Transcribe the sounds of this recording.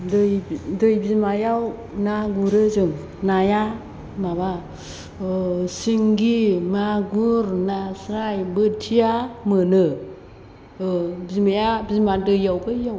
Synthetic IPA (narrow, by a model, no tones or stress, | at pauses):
dɯjdɯjbizmajaw | naɡuɾɯzɯŋ | naja | maba | siŋɡimaɡuɾnasɾajbɯtʰijamɯnɯ | bizmajabizmadɯjawbɯjaw